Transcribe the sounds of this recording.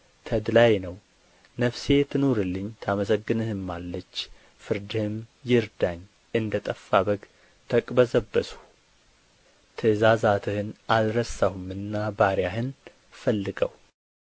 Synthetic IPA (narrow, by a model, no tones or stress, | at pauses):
t̪ʰəd̪lajnəw | nəfse̞t̪ʰɨnoɾɨlːɨɲːt̪ʰaməsəɡːɨnɨhɨmːalːət͡ʃː | fɨɾd̪ɨhɨmjɪɾd̪aɲː | ʔɨnd̪ət̪ʼəfːabəɡ | t̪ʰəkʼbəzəbːəsu̥ | t̪ʰɨzazat̪ʰɨhɨnalɾəsahumɨnːabaɾjaɦɨn | fəlːɨɡə̰w